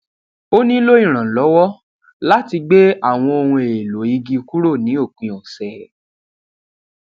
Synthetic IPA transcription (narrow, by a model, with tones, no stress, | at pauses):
o˦nĩ˦lo˦ĩ˦˨ɾ̃ã˨lɔ˨˦wɔ˦ | la˦ti˧ɡ͡be˦a˦˨w̃ɔ̃˧o˧hũ˧e˨lo˨i˧ɡi˧ku˦ɾo˦˨nĩ˨˦o˦˨k͡pĩ˧ɔ˨sɛ˨